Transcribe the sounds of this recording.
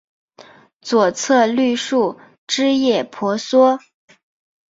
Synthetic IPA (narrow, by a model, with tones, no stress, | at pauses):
t͡swɔ˨˩t͡sʰɤ˥˧ly˥˧ʂu˥˩ | ʈ͡ʂɻ̩˥jɛ˥˩pʰɔ˧˥swɔ˥